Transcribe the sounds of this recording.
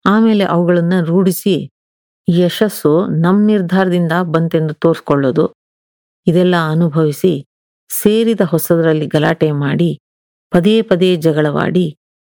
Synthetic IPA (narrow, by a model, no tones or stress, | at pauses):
aːmeːle̞ʔɐʋuɡɐɭɐnːuɾuːɽisi | iːɛʃɐsːunɐmːniɾd̪ʱaːɾɐd̪ind̪ɐbɐnt̪e̞nd̪ut̪o̞ːɾskɔɭːoːd̪u | id̪ɛlːɐɐnubʱɐʋisi | seːɾid̪ɐɦɔsɐd̪ɐɾɐlːiɡɐlaːʈemaːɽi | pɐd̪eːpɐd̪eːd͡ʒɐɡɐɭɐʋa̰ːɽi